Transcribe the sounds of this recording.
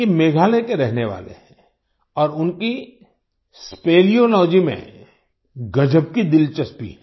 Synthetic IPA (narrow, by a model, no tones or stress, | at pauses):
emeːɡʱaːlekeɾɛɦneʋa̰ːlḛɦɛ̃ | ɔːɾʊnki | speːlijolɔːd͡ʒimḛ̃ | ɡɐd͡ʒəb̚kid̪ɪlt͡ʃɐspḭ